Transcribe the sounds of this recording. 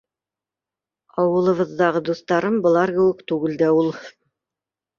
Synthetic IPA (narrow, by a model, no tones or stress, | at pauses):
ɑwɤ̆lˠɤ̆βɤ̆ðːɑʁɤd̪uθt̪ɑɾɤmbŏlˠɑɾkɘ̆wɘkt̪ʉɡɘld̪æulˠ